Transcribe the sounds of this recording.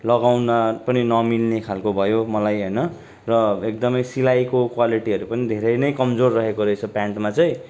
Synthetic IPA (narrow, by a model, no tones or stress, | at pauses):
lʌɡawnʌpʌninʌmilnekʰalkobʱʌjomʌlajɦʌjnʌ | rʌek̚d̪ʌmʌjsilajkokwaliʈiɦʌɾupʌnid̪ʱeɾʌjnʌjkʌmd͡zorːʌɦekoɾʌet͡sʰʌpaɳʈmat͡sʌj̃